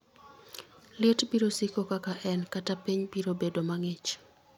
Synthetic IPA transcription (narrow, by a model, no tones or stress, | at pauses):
lɪetbiɾosikokakaʔɛnkatapiɲbiɾobedomaŋɪt͡ʃ